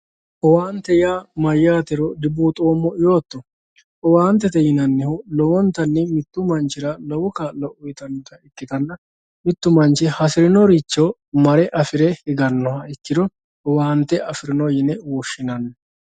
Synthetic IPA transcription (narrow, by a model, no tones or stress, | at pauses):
ʔɔwaːnt̪ːɛjaːmɐjːaːt̪ɛɾɔd̪ɪbuːt̪ʼoːmːɔɪjo̞ːt̪ːɔ | ʔɔwaːnt̪ːɛt̪ɛjɪnɐnːɛhʊlɔwɔnt̪ɐnːɛmɪt̪ːʊmɐnt͡ʃɪɾɐlɔwʊkɐlɔʔʊjt̪ɐnːɔt̪ɐɪkːɪt̪ɐnːɐ | mɪt̪ːʊmɐnt͡ʃɪhɐsɪɾɪnɔɾit͡ʃːo | mɐɾɛʔɐfɪɾɛhɪɡɐnːɔhɐɪkːɪd̪ɔ | ɔwaːnt̪ːɛʔɐfɪɾɪnɔjɪnɛwɔʃːɪnɐnːɐ